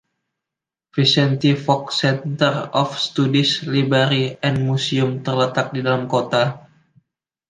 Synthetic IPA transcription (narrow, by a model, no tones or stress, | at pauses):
fisɛnt̪ifɔk̚sɛnt̪ərɔfst̪udislibəɾiɛnmusiʊmt̪ərlət̪ak̚didalamkot̪a